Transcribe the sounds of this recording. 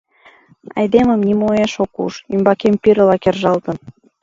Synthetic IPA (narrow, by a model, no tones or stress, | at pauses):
ɑ̰jd̪eməmnʲimojeʃokṵʃymbɑkempiɾə̆lɑkerʒɑlt̪ən